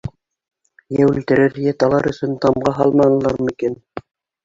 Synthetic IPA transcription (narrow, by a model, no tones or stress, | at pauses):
jæwɘ̆lt̪ɘ̆ɾɘɾjæt̪ɑlˠɑɾɵ̆sɵnt̪ɑmʁɑɦɑlˠmɑnɤ̆lˠɑɾmɘ̆kin